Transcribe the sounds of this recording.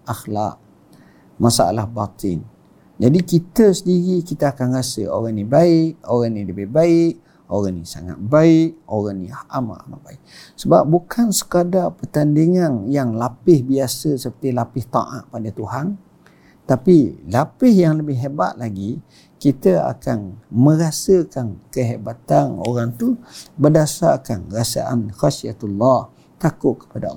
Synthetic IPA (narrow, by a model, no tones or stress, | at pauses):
axla̰ʔ̚ | masaa̰lahbat̪ɪ̰n | d͡ʒadikit̪əsədiɣikit̪əakanrasə̰o̰ɾanibaɪʔ̚oɾaniləbɪhbaɪʔ̚ | oɾanḭsa̰ŋa̰t̪̚baɪʔ̚oɾaniahama̰ʔama̰ʔbaɪk̚səba̰p̚bukʰansə̥kadapərt̪andiŋanjaŋlapɪhbiasəsəpərt̪ilapɪht̪ɑ̰ʔa̰ʔpadat̪uɦan | t̪apilapɪhjaŋləbɪhɦeba̰t̪̚laɡi | kit̪əa̰kanmə̃ɾasəkankəɦebat̪ano̰ɾaŋt̪ubərdasarkanrasa̰ʔa̰nxasiat̪ulːɑh | t̪akʊʔ̪̚kːə̥pada